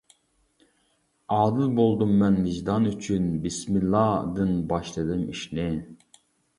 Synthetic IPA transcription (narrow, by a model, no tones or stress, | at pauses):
ɑːd̪ɨlˠbolˠd̪umːɛnːiʒd̪ɑnyt͡ʃʰynbismilːɑd̪ɨnbɑʃlˠɨd̪ɨmiʃlɪ